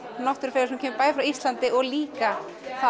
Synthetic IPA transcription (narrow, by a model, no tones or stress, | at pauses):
nɔht̪ʏɾfɛɾɪsumcʰɛːmɪpaːjðɪfɾawist̪lant̪ɪɔɣliːka | θa